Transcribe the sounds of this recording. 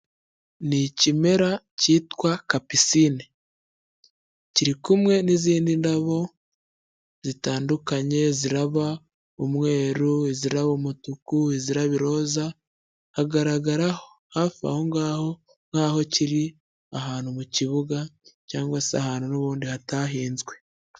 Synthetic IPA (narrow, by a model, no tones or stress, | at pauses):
nicime̞ɾa | ciːtwakapisiːni | ciɾikumŋe̞niziːndindaβo̞ | zitaːndukaɲe̞ziɾaβa | umwe̞ːɾueziɾaβomutukueziɾaβiɾo̞ːza | haɡaɾaɡaɾahohaːfia̰ho̞ŋɡaho̞ | ŋhaho̞ciɾi | aɦaːnhumuciβuɡacaːŋɡwasea̰haːnhunoβuːndihataːɦiːnzɡwe̞